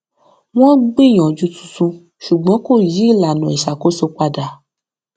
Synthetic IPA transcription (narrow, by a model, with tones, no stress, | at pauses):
w̃ɔ̃˦ɡ͡bĩ˦˨j̃ɔ̃˨d͡ʒu˧tũ̥˧tũ˧ | ʃu˨ɡ͡bɔ̃˨˦ko˦˨ji˨˦i˦˨la˨nũ˨i˨ʃa˨ko˦so˧k͡pa˧da˨